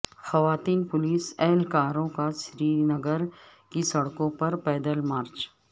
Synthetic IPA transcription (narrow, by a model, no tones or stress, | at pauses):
xɐʋaːt̪iːnpʊliːsɛɦlkaːɾõkaʃɾiːɾnɐɡəɾkisɐɽkõpɐɾpɛːd̪əlmaːɾt͡ʃ